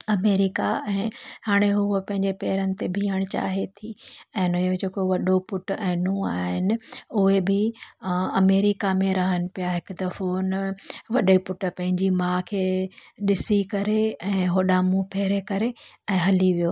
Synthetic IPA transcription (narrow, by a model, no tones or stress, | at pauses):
ɐmeːɾɪkaɛ̃ːhaːɽ̃eɦʊopɐ̃ɦɪ̃ɲd͡ʑepɛːɾənɪ̆t̪ebʱiːəɽ̃t͡ɕa̰ːɦet̪ʰiɛ̃ːnʊjod͡ʑeːkoʋɐɗopʊʈɛ̃ːnũaːɦɪnɪ̆ʊɦebɪ | ɐmeːɾɪkamẽɾɐɦənɪ̆pijaɦɪkʊd̪ɐfonʋɐɗepʊʈpɐ̃ɦɪ̃ɲd͡ʑimãːkʰeːɗɪsikɐɾeɛ̃ːɦoːɗamũpʰeːɾekɐɾeɛ̃ːɦɐliʋijoː